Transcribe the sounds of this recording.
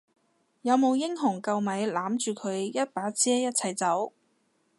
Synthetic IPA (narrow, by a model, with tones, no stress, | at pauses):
jɐ˨˧wmo˨˧wjɪ˥ŋɦʊ˨˩ŋkɐ˧wmɐ˨˥jlaː˨˥mt͡ʃyː˨˧kʰɵ˨˧ɥjɐ˥t̚paː˨˥t͡sɛː˥jɐ˥t̚t͡sʰɐ˨˩jt͡sɐ˨˥w